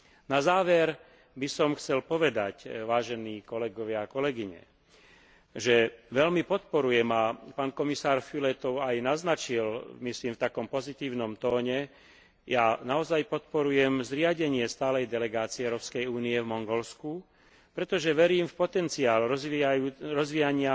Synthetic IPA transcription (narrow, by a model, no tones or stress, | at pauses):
nazaːʋɛɾ | bisɔmxt͡sɛlpɔʋɛd̪acʋaːʒɛniːkɔlɛɡɔʋɪakɔlɛɡiɲɛ̰ | ʒɛʋɛlmipɔt̪̚pɔɾujɛmapaːnkɔmisaːɾfylɛt̪ɔʊajnaznat͡ʃilmisliːmft̪akɔmpɔzit̪iːʊnɔmt̪ɔːɲɛ | jaːnaɔzajpɔt̪̚pɔɾujɛmzɾɪaɟɛɲɪɛst̪aːlɛjd̪ɛlɛɡaːt͡siɛʊɾɔːpskɛjuːniɛvmɔŋɡɔlsku | pɾɛt̪ɔʒɛʋɛɾiːmfpɔt̪ɛnt͡siaːlː | ɾɔzʋijaɲɪa